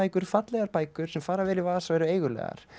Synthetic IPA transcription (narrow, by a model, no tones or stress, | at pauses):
ajkʏɾ̥fat̪lɛɣaɾpaːjkʏɾ̥sɛmfaːɾavɛːɾɪvaːðasaɛɾʏeːjɣʏlɛ̰ːɣa̰ɾ̥